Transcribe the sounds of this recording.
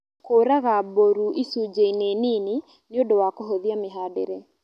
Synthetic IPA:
koɾaɣaboɾuisud͡ʒeinenini | nɪodowakɔɦoðiamɪɦadḛɾe

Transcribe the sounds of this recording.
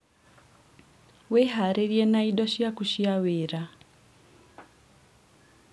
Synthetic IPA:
weɦaɾeɾjɛnaiɗɔʃiakuʃiaweɾa

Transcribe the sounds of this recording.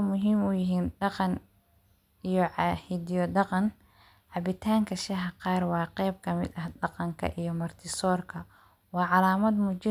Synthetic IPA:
mʊɦiːmʊjɪɦiːnɖɑqɑn | ijɔʕɑhɪd̪ijɔdɑqɑn | ʕɑβɪt̪ʰaːŋkʰɐʃɐɦɐqɑːrwɑːqɛjb̚kʰɐmɪ̰d̪ɐhdɑqɑŋkʰɐ̰ʔijɞmɐrt̪ʰɪsɔːrkʰɐ | wɑːʕɑlaːmɐd̪mʊt͡ʃɪ

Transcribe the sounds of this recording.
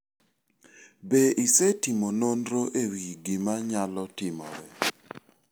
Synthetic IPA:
beʔisetimononɾoʔewiɡɪmaɲalɔtɪmɔ̰ɾɛ

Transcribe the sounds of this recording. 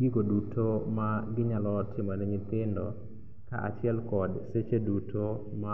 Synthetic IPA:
ɡɪɡodutʰomaɡɪɲalɔtɪmɔnɛɲɪt̪ɪndɔ | ka̰ʔa̰t͡ʃɪɛlkɔdset͡ʃedutʰo | ma

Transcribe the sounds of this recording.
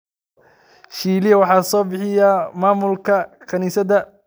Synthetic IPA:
ʃiːlɪjɐwɑħɑːsɔːbɪħɪjɐmaːmʊlkʰɐkʰɐniːsɐðɐ

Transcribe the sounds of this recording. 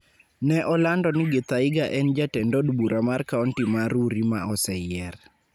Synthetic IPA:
nɛʔɔlandɔnɪɡɪt̪aɪɡaʔɛnd͡ʒatɛndɔdbuɾʔamarkaɔntimaɾuɾima̰ɔsɛjɛr

